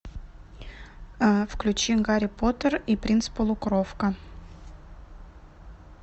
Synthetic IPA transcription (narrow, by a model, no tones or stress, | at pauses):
fklʲʉt͡ɕiɡɑɾʲipot̪əripɾʲinspolˠukrofkə